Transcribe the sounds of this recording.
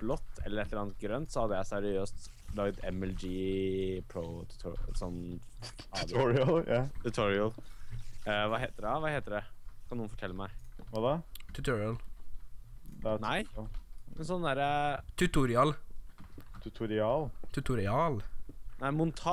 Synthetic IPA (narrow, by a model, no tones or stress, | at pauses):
b̥lɔt̪ːɛ̰lːəɾɛt̪ləɾɑːnət̪̚ɡɾœnt̪sɔhɑd̪ːəjæɪsæɾɪøːst̪ | lɑːɡət̪ʰɛmɛld͡ʒiːpʰɾot̪ʰt̪ʰsɔm | ɑd̪ɔɾɪljɑt̪ʰʉt̪ʰɔɹɪəl | ʋɑɦeːt̪əd̪ɛʋɑːheːt̪əd̪ɛkʰɑnuːnfɔ̥ʈʰɛlːəmæɪʋɑd̪ɛt̪ʰʉt̪ʰɔɹɪɑl | næɪɛnsɔnːd̪æːɾət̪ʰʉt̪ʊɾɪɑl | t̪ʰʉt̪ʰʊɾɪɑːlt̪ʰʉt̪ʊɾɪɑːlnæɪmʊnt̪ʰɑ